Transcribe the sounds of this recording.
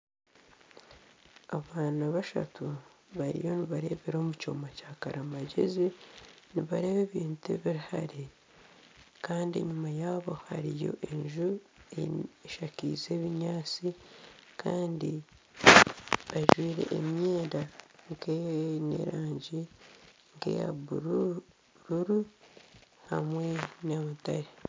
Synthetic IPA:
aβaːnaβaʃa̰tuβaɾḭjo̞niβaɾe̞βeɾo̞ːmuco̞̰macakaɾamaɟḛziniβaɾe̞βeβiːntuḛβiɾihaɾe | kaːndiḛɲumajaːβo̞haɾijo̞̰ʔe̞ɲʒu | eeʃakizeːβiɲaːt͡sikʰaːndi | βaʒwiːɾe̞̰ʔːmjeːdaŋkenḛɾaːɲɟi | ŋɡe̞̰ja̰βuɾu | ɾuɾu | hamwe̞namutaɾe

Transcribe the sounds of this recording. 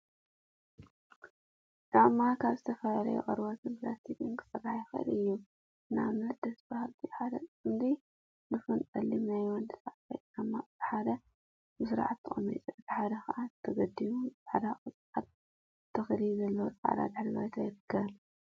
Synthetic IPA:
d̪amːakʰaβzɨt̪ʰɐfɐlalɐ̰jṵʔʼɐɾbot̪ɨmplast̪id̪ɨŋkɨ̥sʼɨraħajxɐʔɨ̰lɨjːu | ɨnamnɐt̪̚d̪ɐsbahalt̪ʰiħad̪ɐɨmd̪i | nɨfɨnt̪ʼɐlːimnajwɔnd̪ɨsʼaʕfa̰jt̪ʼɐmːab̥ɨħad̪ɐ | bɨsɨɾa̰ʕat̪ːɨχʼɐ̰mːɐt͡sʼiʕbɨħad̪ɐxɐʔat̪ʰɐɡɐd̪imut͡sʼaʕad̪akʼɨsʼat̪̚ | t̪ʰːɐxlizɐlːɐwot͡sʼaʕd̪a̰d̪ɨħllawjt̪ʰajɪɾɨkʰːɐβl

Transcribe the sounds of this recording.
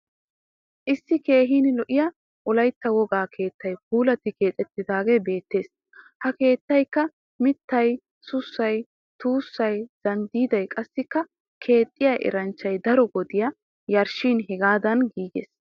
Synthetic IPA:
ʔɪsːɪke̞ːɦiːnɪlɔʔɪjɐ | ʔɔlɐjt̪ːɐwɔɡaːkʰe̞ːt̪ːɐjp̚uːlɐt̪ːɪke̞ːt̪ʼɛt̪ːɪd̪aːɡebe̞ːt̪ːe̞ːs | hɐke̞ːt̪ːɐjkːɐ | mɪt̪ːɐj | sʊsːɐj | t̪uːsːɐjz̥ɐnd̪iːd̪ɐjkʼɐsːɪkːɐ | kʰe̞ːt̪ʼːɪjɐjʔɛ̰ɾɐnt͡ʃːɐjd̪ɐɾɔɡɔd̪ɪjɐ | jɐɾʃiːnɦɛɡaːd̪ɐnɡiːɡḛːs

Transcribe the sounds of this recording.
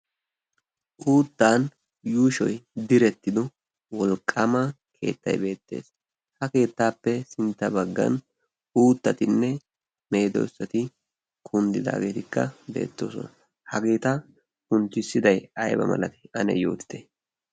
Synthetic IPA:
ʔuːt̪ːaːn | juːʃɔjd̪ɪɾɛt̪ːɪd̪ɔ | wɔlkʼːɐmɐ | kʰe̞̰ːt̪ːɐ̰jbe̞ːt̪ːe̞̰ːs | hɐke̞ːt̪ːaːpːɛsɪnt̪ːɐbɐɡːɐ̰n | uːt̪ːɐt̪ɪnːɛ | me̞ːd̪ɔ̰sːɐt̪ɪ | kʰʊnd̪ɪd̪a̰ːɡe̞ːt̪ɪkːɐ̰bḛːt̪ːo̞̰ːsɔ̰nɐ | hɐɡe̞ːt̪ɐ | kʊnt̪ːɪsːɪd̪ɐjɐjbɐ̰mɐ̰lɐt̪ɪ̥ɐnɛ̰jo̞̰ːt̪ɪ̥d̪e

